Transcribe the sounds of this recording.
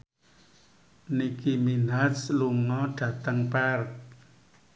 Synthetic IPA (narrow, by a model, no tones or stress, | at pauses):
nikiminasluŋɔɖ̥ä̤t̪əŋpark̚